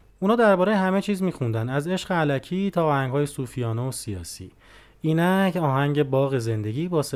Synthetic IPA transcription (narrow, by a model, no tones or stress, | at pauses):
uːnɒːd̪æɾbɒːɾejehæmet͡ʃʰiːzmiːxund̪ænæze̞ʃɣeælæcʰiːt̪ʰɒːhæŋɡhɒːje̞suːfijɒːneosijɒ̰ːsḭː | iːnæcʰɒːɦæŋɟe̞bɒːɣe̞ze̞nd̪e̞ɟiːbɒːs